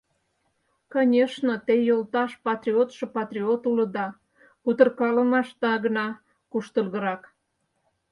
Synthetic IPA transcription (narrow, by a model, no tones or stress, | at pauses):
konʲeʃnot̪ejolt̪ɑʃpɑt̪rʲiot̪ʃɤ̆pɑt̪rʲiot̪ulə̆d̪ɑ | kut̪ərkɑlə̆mɑʃt̪ɑɣənɑ | kuʃt̪əlɣə̆ɾɑk